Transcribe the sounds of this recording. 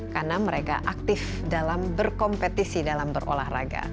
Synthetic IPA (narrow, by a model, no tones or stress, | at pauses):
karnaməɾeka̰ʔak̚t̪ɪf | dalambərkɔmpɛt̪isidalambərʔo̰lahra̰ɡa̰